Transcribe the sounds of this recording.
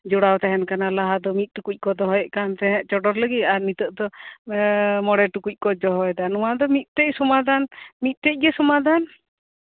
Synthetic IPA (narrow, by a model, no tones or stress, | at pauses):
d͡ʒuɽawt̪ɛɦɛnkanalaɦad̪ɔmit̪̚ˀʈukuc̚ˀkɔd̪ɔɦɔjɔʔkant̪ɛɦɛ̃ʔt͡ʃɔɖɔɾləɡit̪aɾmit̪əʔd̪ɔ | mɔɽɛʈukuc̚ˀkɔd͡ʒɔɦɔɛd̪anuwad̪ɔmit̪̚ˀt̪ɛc̚sɔmad̪anmit̪̚ˀt̪ɛc̚ˀɡɛsɔmad̪an